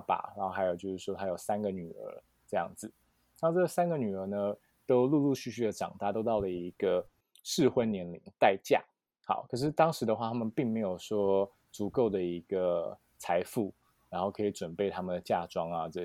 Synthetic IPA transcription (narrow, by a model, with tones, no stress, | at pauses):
pa̰˨˩ɻa˧˥o˥˩xa˧˥jo˨˩ʊt͡ɕjo˥˧ʊʂɻ̩˥˩ʂwɔ˥t̪ʰa˥jo˨˩ʊsa˥nɡə˨ny˨˩ə̰˞˧˥ | ʈ͡ʂɤ˥˧jɑ̰˥˩ŋd͡zɹ̩˩ | na˥˧ʈ͡ʂɤ˥˩ɡə˩sa˥nɡə˨ny˨˩ə˞˧˥nə˧ | t̪o˥ʊlu˥˧lu˥˧ɕy˥˧ɕy˥˩d̪ə˩ʈ͡ʂɑ̰˨˩ŋt̪a˥˧t̪o˥ʊt̪ɑ˥˩ʊlə˩i˧˦˥ɡ̥ə˧ | ʂɻ̩˥˧xwe˥ɪnjɛ˧˥nli˧˥ŋt̪a˥˧ɪt͡ɕja̰˥˩ | xɑ̰˨˩˦ʊkʰə˨˩ʂ̬ɻ̩˥˩t̪ɑ˥ŋʂɻ̩˧˥d̪ə˧xwa˥˩t̪ʰa˥mə˨npi˥˩ŋme˧˥ɪjo˨˩ʊʂwɔ˥ | t͡su˧˥ko˥˩ʊd̪ə˩i˧˥ɡ̥ə˧ | t͡sʰa˧˥ɪfu˥˩ | ɻa˧˥nxo˥˩kʰɤ˧˥i˨˧˩ʈ͡ʂwə˨˩npe˥˩ɪt̪ʰa˥mə˨nd̪ə˩t͡ɕja˥˩ʈ͡ʂwɑ˥ŋɐ˨ʈ͡ʂə˥˩